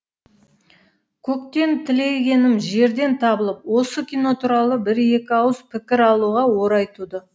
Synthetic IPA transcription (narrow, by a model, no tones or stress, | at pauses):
kʲʰɵkt̪e̞nt̪ʰɪle̞kʲe̞nɪmʒe̞ɾd̪e̞nt̪ʰɑbəlˠəp̚wo̞səkʲijno̞t̪ʰuɾɑlˠəbɪɾe̞kʲɪɑwəz̥pʰɪkʲɪɾɑlˠuʁɑwo̞ɾɑjt̪ud̪ə